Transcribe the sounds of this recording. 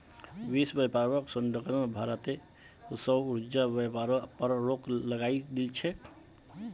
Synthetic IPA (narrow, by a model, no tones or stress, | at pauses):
bisbəpaɾbəksunɖəkənəbʱaɾət̪e | səuɾd͡ʒabepaɾpəɾːokləɡaid̪ilt͡ʃʰɛ